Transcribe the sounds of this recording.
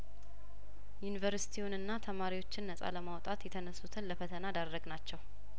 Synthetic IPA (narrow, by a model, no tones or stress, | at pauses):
junivəɾsi̥t̪ʰiwʊnɨnːat̪ʰəmaɾiwo̞t͡ʃːɪnːəsʼa̰ləmawt̪ʼat̪jɛt̪ʰənəsːut̪ʰɨnləfət̪ʰənad̪arːəɡnat͡ʃːɛw